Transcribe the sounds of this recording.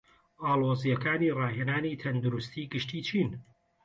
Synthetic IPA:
ʔaːlˠoːzijɐkaːnirɑːɦeːnaːniːt̪ʰɐnd̪uɾust̪iːɡɨʃt̪iːt͡ʃʰiːn

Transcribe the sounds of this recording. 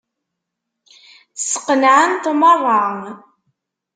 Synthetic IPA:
sə̥qːənʕənt̪mərˤːɑɴ

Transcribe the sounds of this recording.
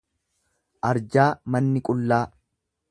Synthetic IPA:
ʔɐɾd͡ʒaːmɐnːɪkʼʊlːaː

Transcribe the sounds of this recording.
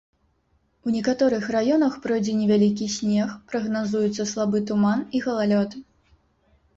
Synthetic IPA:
unʲɛkat̪ɔɾɨxrajɔnɐxpɾɔjd͡zʲɛnʲɛvʲalʲik̬ʲisʲnʲɛxpɾɐɣnazujut̪sːɐslˠabɨt̪umaniɣɐlˠalʲɔt̪

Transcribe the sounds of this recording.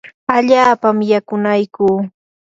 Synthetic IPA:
aʎaːpamjakʊnajkuː

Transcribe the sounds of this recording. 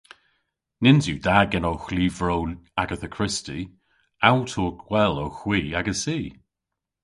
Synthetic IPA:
nɪnzjuːdaɡɛnowxliːvɹownaɡəθəkʰɹ̥ɪsti | awtʰɔːkwɛlowxw̥iːaɡəsiː

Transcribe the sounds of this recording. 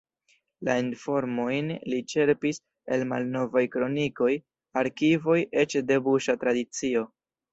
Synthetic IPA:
lainfo̞ɾmo̞jnlit͡ʃe̞ɾpis | e̞lma̰lno̞vajkɾo̞niko̞j | aɾkivo̞jʔe̞t͡ʃde̞buʃatɾadit͡sio̞

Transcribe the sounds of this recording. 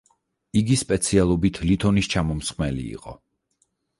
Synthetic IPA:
iɡispʼɛt̪sʰialˠɔbit̪ʰlit̪ʰɔnist͡ʃʰamɔmsχmɛlḭːqʼɔ̰

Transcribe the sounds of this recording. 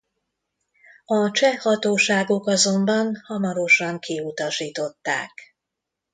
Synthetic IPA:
ɒt͡ʃɛhɒt̪oːʃaːɡo̞kɒzo̞mbɒnhɒmɒɾo̞ʃɒŋkiut̪ɒʃiːt̪o̞t̪ːa̰ːk

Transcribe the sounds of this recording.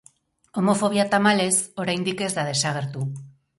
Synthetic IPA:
o̞mo̞fo̞βiat̪amale̞so̞ɾajnd̪ike̞zd̪aðe̞saɣ̞e̞ɾt̪u

